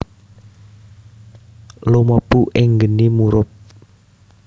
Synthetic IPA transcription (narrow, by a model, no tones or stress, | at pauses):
loməpuʔɪŋɡənimuɾʊp̚